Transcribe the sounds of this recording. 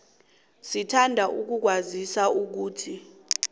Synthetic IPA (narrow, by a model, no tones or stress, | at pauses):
sitʰandʱaʔuk̬uk̬wazisauk̬uːtʰi